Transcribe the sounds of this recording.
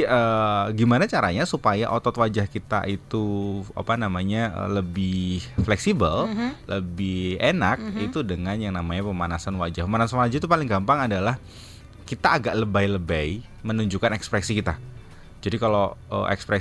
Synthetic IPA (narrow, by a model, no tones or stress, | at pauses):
əɡimanat͡ʃaɾaɲasupaja̰ʔot̪ɔt̪wad͡ʒahkit̪a̰ʔit̪ua̰panamaɲaə̰ləbɪhflɛksibəllʔəbɪhenak̚it̪udəŋanjaŋnamaɲapəmanasanwad͡ʒahpəmanasalad͡ʒuit̪upalɪŋɡampaŋadalah | kit̪aːɡaʔləbajləbəj | mənuɲd͡ʒukanɛkspɾɛksikit̪a | d͡ʒadikaloə̰ʔɛ̰kspɾɛ